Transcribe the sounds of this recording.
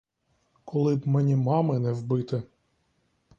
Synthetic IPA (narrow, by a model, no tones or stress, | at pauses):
kʰɔlˠɪbmɛnʲimɑmɪnɛwbɪt̪ɪ